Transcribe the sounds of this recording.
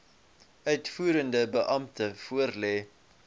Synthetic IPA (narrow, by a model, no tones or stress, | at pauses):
œɥtfuːɾəndəbəʔɐmtəfuərlɛː